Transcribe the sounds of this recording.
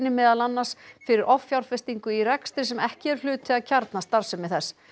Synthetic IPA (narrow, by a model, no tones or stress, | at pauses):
nɪmɛːðalanːaɾ̥sfɪɾɪɾʔɔfːjawɾ̥fɪst̪iŋkʏirɛkst̪ɾɪsɛmɛhcɪɛɾ̥lʏːt̪ʰɪðaðcʰaɾt̪nast̪aɾsʏmːɛɪðθɛs